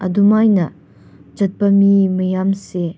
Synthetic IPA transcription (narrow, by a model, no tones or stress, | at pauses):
ɐdumajnɐ | d͡ʒɐt̚pɐmimɐjamse